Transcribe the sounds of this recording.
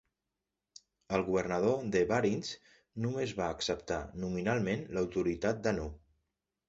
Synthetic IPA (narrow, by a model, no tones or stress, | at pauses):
əlˠɣuβəɾnəð̞od̪əβaɾins | numezβaəksəp̚t̪a̰numinalˠmenləwt̪uɾit̪at̪̚d̪ənu